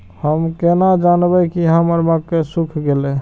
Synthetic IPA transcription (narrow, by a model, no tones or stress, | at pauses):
həmkenad͡ʒanbɛkiɦəməɾmakːesukʰɡelɛ